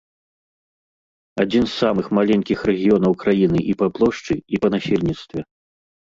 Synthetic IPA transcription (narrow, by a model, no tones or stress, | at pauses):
ad͡zʲinsːamɨxmalʲɛnʲkʲixɾɛɣʲijɔnɐwkɾajinɨʔipaplˠɔʂt͡ʂɨipɐnasʲelʲnʲit̪st̪vʲɛ